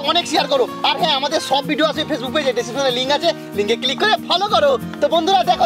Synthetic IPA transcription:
ɔneksiaɾkɔɾuaɾɦɛ̃amad̪eɾsɔbbʱiɖioasɔipʰes̬buk̚pojd͡ʒajɖesisʰɔnɾeliŋkat͡ʃʰe | liŋkeklikːɔɾepʰɔlokɔɾo | t̪ɔbɔnd̪ʱuɾad̪ɛkʰo

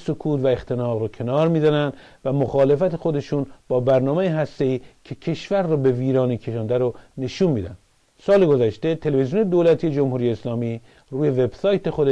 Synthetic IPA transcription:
sokʰuːt̪væext̪ʰe̞nɒːɣɾɔkʰe̞nɒːɾmiːzænænd̪ | væmoxɑːle̞fæt̪exo̞d̪e̞ʃuːnb̥ɒːbæɾnɒːmejiɦæst̪e̞iːcʰe̞cʰe̞ʃvæɾːɔːbe̞viːɾɒːnikʰe̞ʃɑːnd̪æɾone̞ʃuːnmiːd̪æ̰nd̪ | sɒːleɡo̞zæʃt̪e̞t̪ʰe̞levezijuːned̪oːlæt̪ʰiːjed͡ʒomhuːɾijeːslɒːmiː | ɾuːje̞ve̞bsɒːjt̪e̞xod̪e

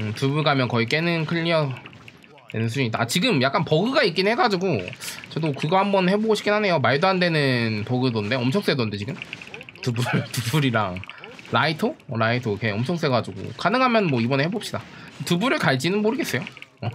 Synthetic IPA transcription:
ɯtubuɭɡamjʌnkʌik͈e̞nɯnkʰɯʎːiʌ | denɯns̬ʰud͡ʑuɲit͈aat͡ɕiɡɯmjak͈anpʌɡɯɡaik͈innɦe̞ɡad͡ʑiɡot͡ɕʌdokɯɡʌhambʌnhe̞boɡoɕʰi̥k͈ʰinɦhane̞jomaɭdoɦandwe̞nɯnpʌɡɯdonde̞ʌmt͡ɕʰʌks͈edonde̞t͡ɕiɡɯmtubuɭtubuɾiɾaŋ | ɾaitʰoɾaitʰoikʰe̞ʌmt͡ɕʰʌŋ̚s͈e̞ɡad͡ʑuɡo̰kanɯŋɦamjʌnnmwʌibʌnehebop̚ɕ͈idatɯbuɾɯɭkaɭd͡ʑinɯnmoɾɯɡe̞s͈ʌjoʌ

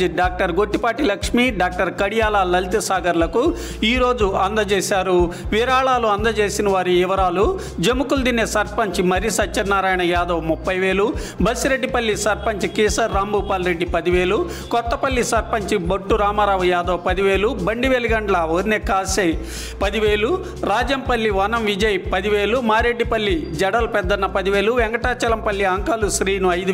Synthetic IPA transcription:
iɖaːk̚ʈɐɾɡo̞ʈːipaːʈilɐkʂmiːɖaːk̚ʈɐɾkɐɽijaːlalɐlt̪ɐsaːɡɐɾlɐku | iːɾo̞ːd͡ʒuɐnd̪ɐt͡ʃeːsaːɾuʋiːɾaːɭaːluɐnd̪ɐt͡ʃeːsinɐʋaːɾiiʋɐɾaːlu | d͡ʒemukuld̪inːesɐɾpɐɲt͡ʃimɐɾisɐt͡ʃɐnːaːɾaːjɐɳɐjaːd̪ɐːwmupːɐjʋe̞ːlubɐsiɾeɖːipɐlːisɐɾpɐɲt͡ʃikiːsɐɾːaːmbuːpaːlɾe̞ɖːipɐd̪iʋe̞ːlu | kɔt̪ːɐpɐlːisɐɾpɐɲt͡ʃibɐʈːuɾaːmaːɾaːʋujaːd̪ɐwpɐd̪iʋe̞ːlubɐɳɖiʋeːliɡɐɳɖlɐʋoːɾineːkaːsɐj | pɐd̪iʋeːlu | ɾaːd͡ʒɐmpɐlːiʋɐnɐmʋid͡ʒɐjpɐd̪iʋeːlumaːɾe̞ɖːipɐlːid͡ʒɐɽɐlpɛd̪ːɐnːɐpɐd̪iʋe̞ːluʋɛŋɡɐʈaːt͡ʃɐlɐmpɐlːiɐŋkaluʃɾiːnuɐjd̪u

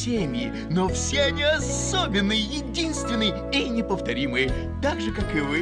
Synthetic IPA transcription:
emʲɪ | nofsʲeɐnʲiɐs | obʲɪnːɨjjɪdʲinst̪vʲɪnːɨj | inʲɪpəft̪ɐɾʲimɨjə | t̪aɡʐɨkakɨvɨ

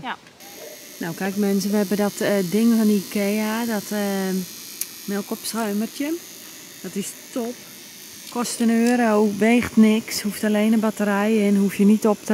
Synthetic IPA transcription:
nawkɛjkmɛnsəʋəhɛbədɔtdɪŋfɔnikʰeːaːdɔt | mɛkɔpsraːmərtjən | d̥ɔtɪstɔp | kʰɔstənøːɾowʋeːxtnɪkshuftaleːnəbatəɾɛjɛnhufjənitop̚tə

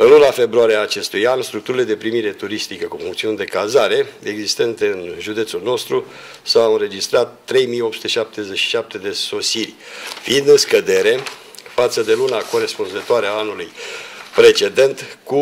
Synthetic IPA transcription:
ɨnlunafe̞bɾuaɾieaːt͡ʃe̞st̪ujanst̪ɾuk̚t̪uɾile̞d̪e̞pɾimiɾe̞t̪uɾist̪ikəkufuŋkt̪siund̪e̞kazaɾe̞eɡzist̪e̞nt̪eɨnʒud̪e̞t̪sulno̞st̪ɾu | sawɨnɾe̞d͡ʒist̪ɾat̪ːɾe̞jmijo̞p̚su̥t̪eʃap̚t̪e̞zet͡ʃʃi̥ʃap̚t̪e̞d̪e̞so̞sirʲfiind̪ɨnskəd̪e̞ɾe̞ | fat̪səd̪e̞lunako̞ɾe̞spunzət̪oaɾeaanulujpɾe̞t͡ʃe̞d̪e̞nt̪ku

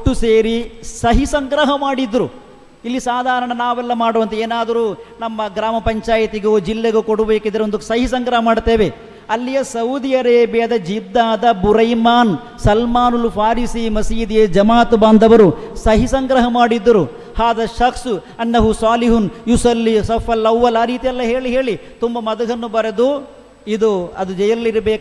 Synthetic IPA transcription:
ʈːuseːɾisɐɦisɐŋɡɾɐɦɐmaːɽid̪ːɾu | ilːisaːd̪ʱaːɾɐɳɐnaːʋɛlːɐmaːɽuːʋɐnt̪eeːnaːd̪ɐɾuːnɐmːɐɡɾaːmɐpɐɲt͡ʃaːjit̪iɡud͡ʒilːeɡukoɽubeːkid̪ɐɾeond̪usɐɦisɐŋɡɾɐɦɐmaːɖt̪eːʋe | ɐlːijɐsɐwd̪ijɐɾeːbjɐd̪ɐd͡ʒid̪ːaːd̪ɐbuɾɐjmaːn | sɐlmaːnulupʰaːɾisimɐsiːd̪ied͡ʒɐmaːt̪baːnd̪ʱɐʋɐɾusɐɦisɐŋɡɾɐɦɐmaːɽid̪ːɐɾu | haːd̪ɐʃɐksu | ɐnːɐɦusaːliɦunjusɐlːisɐpʰɐlːɐwʋɐlaːɾiːt̪ijɐlːɐɦe̞ːɭiɦeːɭit̪umbɐmɐd̪ɐɡɐnːubɐɾed̪u | id̪uɐd̪ud͡ʒɐjɐɾlːiɾɐbeːk

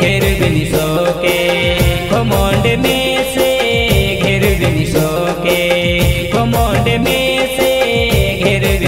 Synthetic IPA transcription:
ɡʱeɾbinisɔke | kʰɔmɔɳɖeme | seɡʱeɾbinisɔ | ke | kʰɔmɔɳɖemeseɡʱeɾbi

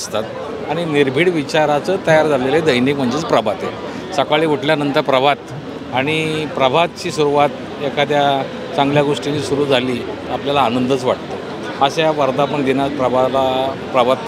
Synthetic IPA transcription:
st̪at̪ | aɽ̃iniɾbʱiːɽʋit͡ɕaɾat͡səːt̪əjaɾd͡zʱaleləed̪əjnikm̤əɳd͡ʑet͡spɾəbʱat̪je | səkaɭiːʋuʈljanənt̪əɾpɾəbʱat̪ | aɽ̃ipɾəbʱat̪̚t͡ɕiːsuɾuʋat̪ | ekʰad̪ja | t͡sãŋɡljaɡoʂʈinisuɾuːd͡zʱaliːapljalaːnənd̪ʱət͡sʋaʈt̪ə | əɕaaʋəɾd̪apəɳd̪enat͡spɾəbʱalapɾəbʱat̪

